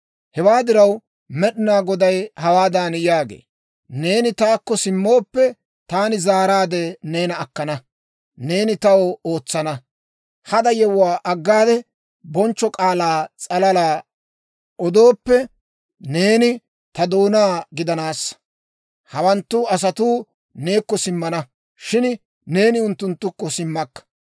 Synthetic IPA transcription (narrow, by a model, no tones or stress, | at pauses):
hɛwaːd̪ɪɾɐw | mɛɗɪnaːɡɔd̪ɐjhɐwaːd̪aːnjaːɡḛː | ne̞ːnɪt̪aːkːɔsɪmːo̞ːpːɛ | t̪aːnɪzaːɾaːd̪ɛne̞ːnɐːkːɐnɐ | ne̞ːnɪt̪ɐwɔoːt͡sːɐnɐ | hɐd̪ɐjɛwʊwaːʔɐɡːaːd̪ɛ | bɔnt͡ʃːɔkʼaːlaːt͡sʼɐlɐlaː | ɔd̪o̞ːpːɛ | ne̞ːnɪ | t̪ɐd̪oːnaːɡɪd̪ɐnaːsːɐ̥ | hɐwɐnt̪ːʊɐs̬ɐt̪uː | ne̞ːkːɔsɪmːɐnɐ | ʃɪn | ne̞ːnɪʊnt̪ːʊnt̪ːʊkːɔsɪmːɐkːɐ̥